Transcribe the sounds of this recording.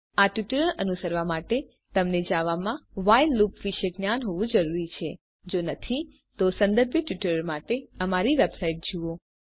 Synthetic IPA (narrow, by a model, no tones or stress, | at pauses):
aʈjuʈɾəɭənusəɾʋamaʈe | t̪əmned͡ʒaʋamãʋajlːupʋiʃəɡnjanɦoʋũd͡ʒəɾuɾit͡ʃʰe | d͡ʒonət̪ʰi | t̪osə̃nd̪əɾbʱiʈiʈəɾəɭmaʈeəmaɾiʋebsaiʈ̚d͡ʒuo